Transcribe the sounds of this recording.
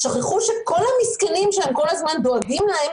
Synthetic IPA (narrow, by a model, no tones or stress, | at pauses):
ʃaχeχuʃe̞ko̞lhamiskanimʃeemko̞lazmand̪oaɡimlahe